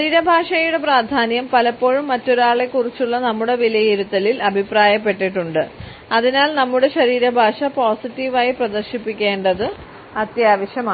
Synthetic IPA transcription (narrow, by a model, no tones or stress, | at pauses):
ɐɾiːɾɐbʱaːʂɐjuɽe̞praːd̪ʱaːnjɐmpɐlɐpːo̞ːɻumːɐtːo̞ɾaːɭe̞kːurit͡ɕːuɭːɐnɐmːuɽe̞ʋilɐjiɾut̪ːɐlilɐbʱipraːjɐpːe̞ʈːiʈːuɳɖɨ | ɐðinaːlnɐmːuɽe̞ɕɐɾiːɾɐbʱaːʂɐpoːsitːiʋaːjiprɐd̪ɐrɕipːikʲːe̞ːɳɖɐðɨ | ɐt̪jaːʋɐɕjɐma